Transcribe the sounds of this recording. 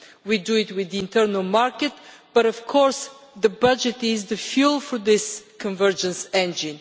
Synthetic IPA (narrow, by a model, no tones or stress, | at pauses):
widuɪt̪wɪðiɪ̃nt̪əɾnəlˠmaɹkɛt̪b̥ɐɾɔfkʰɔɹs | ðəbʌd͡ʒɛt̪ɪzðəfjulˠfɔɹðɪskʰə̃nvə˞d͡ʒə̃nsɛ̃nd͡ʒɪ̃n